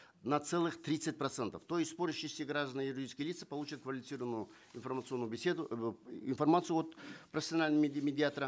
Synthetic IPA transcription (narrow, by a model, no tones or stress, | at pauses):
nɐt̪sɛlˠɨxt̪ɾʲit̪sɨt̚ʲpɾɐt̪sɛnt̪əft̪ojɪsʲspoɾʲɪʃːɪsʲəɡɾaʐd̪ənəjʊɾʲɪɾrdʲijskəjlʲit̪sɨ̥pɐlˠut͡ɕət̪kvəlʲɪfʲɪsɨɾəvənːʊjʊ | ɪnfɐrmət̪sɨonːʊjʊbʲɪsʲe̞d̪ʊɪnfɐrmat̪sɨjʊot̪pɾɐfʲɪsʲɪɐnalʲnmʲmʲɪdʲɪat̪əɾə